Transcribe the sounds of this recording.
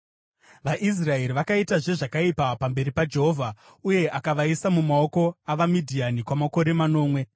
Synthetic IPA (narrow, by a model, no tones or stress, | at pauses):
ʋaʔis̬rae̞ɾiʋakaitaʐe̞ʐakaipapambe̞ɾipad͡ʒe̞ɦo̞vʱa | uje̞ʔakaʋaisamumao̞ko̞aʋamidʱianikwamako̞ɾe̞mano̞ːmwe̞